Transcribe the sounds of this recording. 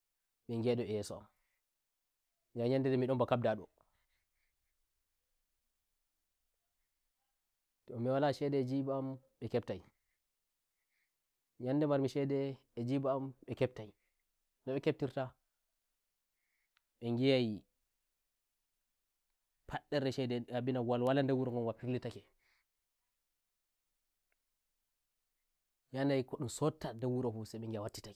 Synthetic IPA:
ɓɛŋɡɛɗɔɛjɛsɔa̰m | ŋd͡ʒaɲandɛdɛmiɗɔmbakab̚daɗɔ̰ | tɔmɛwalaʃɛdɛd͡ʒibaːm | ɓɛkɛptaj | ɲandɛmaɾmiʃɛdɛː | d͡ʒibaːmɓɛkɛp̚taj | nɔɓɛkep̚tiɾta | ɓɛŋɡijaji | pʰaɗːɛɾɛʃɛdɛabinaɡwalwalandɛwuɾoŋɡɔnwapiɾlitakɛ | janajkɔɗusotːadɛwuɾofusaɓɛŋɡijawatːi̥tak

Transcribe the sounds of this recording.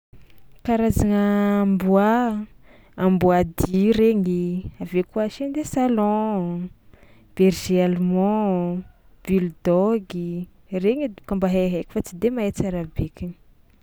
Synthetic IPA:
kaɾazaŋəːmbua | ambuad̪iɾeŋiavekuaʃend̪esalɔ̃ | b̥erʒealumɔ̃ | b̥ild̪ɔɡi | reŋikambaɦeɦekʲi̥fat͡sid̪emaet͡saɾabekʲini̥

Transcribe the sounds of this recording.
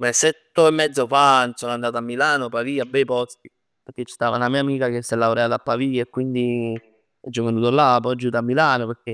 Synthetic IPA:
mɛsːet̪ːoemːɛd̪zofansonand̪aːt̪oamːilaːnopaviːabːɛjpɔst̪i | peɾk̟et͡ʃːi̥st̪aːvanamiːamiːkak̟esːelːaoɾɛat̪apːaviːaekːwind̪i | ɛd͡ʒɔvenuːt̪olapɔd͡ʒːut̪amːilaːnopeɾk̟e

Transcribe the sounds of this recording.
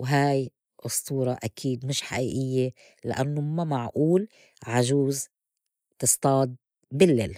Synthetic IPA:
wɦaːj | ʔʊst̪uːɾˤɑʔakʰiːd̪mɪʃħaʔiːʔɪjːe | la̰ʔanːʊmamaʕʔuːl | ʕaʒuːz | t̪ɨst̪ˤɑːd̪̚ | bɪlːeːl

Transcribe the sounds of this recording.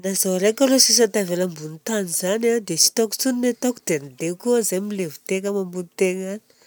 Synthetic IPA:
nazoɾekəɾosis̬at̪aveləmbunit̪anizanad̪esi̥t̪ɔku̥t͡suninet̪ɔkud̪eanid̪ekuəzajmilevu̥t̪eŋəmambunit̪eŋani̥

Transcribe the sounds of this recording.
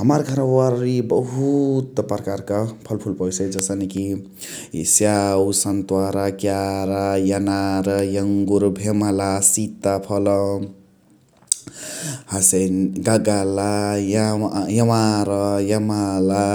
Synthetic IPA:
ɦʌmaɾɡʱʌɾãwaɾibʌɦut̪pɾkaɾkapʰʌlpʰulpʌjsed͡ʒʌsaniki | sjawusʌnt̪waɾakjaɾajanaɾʌjʌŋɡuɾbʱemalasit̪ːapʰʌlʌ | hasenɡaɡalajjʌmaɾʌjamala

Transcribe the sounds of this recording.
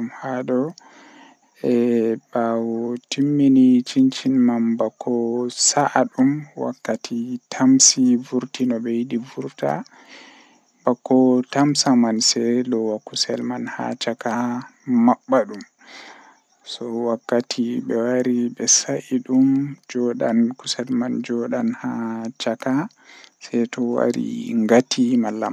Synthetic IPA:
mhadɔ | ɛbawɔtimːinit͡ʃint͡ʃinmanbakʰːɔsaʔaɗumwa̰kːatʰitʰamsivuɾtinɔbɛjidivuɾta̰ | bakːɔtamsamansɛlɔwakusɛlmanha̰t͡ʃakamaɓːaɗum | sɔwakːatʰibɛwaɾibɛsaʔiɗumd͡ʒɔɗankusɛlmand͡ʒɔɗanhat͡ʃaka | sɛjtɔwa̰ɾḭŋɡatʰimalːam

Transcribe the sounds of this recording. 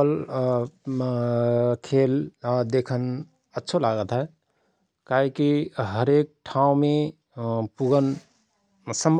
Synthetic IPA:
l | kʰeld̪ekʰən | ətːʃʰolaɡət̪ɦɛ | kaɦikiɦəɾek̚ʈʰãũme | puɡən | səmb

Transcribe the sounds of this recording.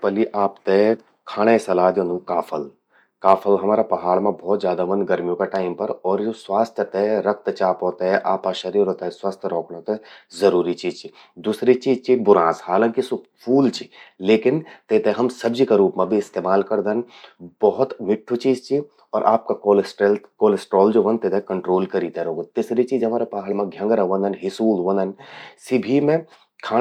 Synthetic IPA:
pɐliʔaːpt̪e | kʰaːɽ̃esɐlaːd̪joːnũkaːfʰəl | kaːfʰəlɦɐmaːɾapɐɦaːɭmẽbɔːt̪zjaːd̪amɐnɡɐɾmijõkaʈaːɪmpɐɾɔːɾd͡ʒoːswaːst̪ʰjət̪eɾɐk̚t̪t͡ʃaːpɦoːt̪aɦɛʔaːpaʃɐɾiːɾɦoːt̪aɦɛswaːst̪ʰɾɔːkɽ̃ot̪ezɐɾuːɾit͡ʃizt͡ʃi | d̪uːsɾit͡ʃiːzt͡ʃibʊɾãːshaːlãŋkisʊpʰuːlt͡ʃileːkɪnt̪eːt̪eɦɐmsɐbd͡ʒikaɾuːpmẽbʱiɪst̪eːmaːlkɐɾd̪ən | bɐɦʊt̪mɪʈʰːut͡ʃiːzt͡ʃi | ɔːɾʔaːp̚kakoːlsʈelt̪koːlesʈɾɔːld͡ʒoʋɐ̃nt̪eːt̪ekɐɳʈɾoːlkɐɾiːt̪eɦɾoːɡ̪t̪isɾet͡ʃiːd͡ʒɦɐmaːɾepaːɦəlmãɡʱjɐ̃ŋɡɾaʋɐ̃nd̪ɐnɦɪsuːlʋɐ̃nd̪ənsɪbʱimẽ | kʰaː

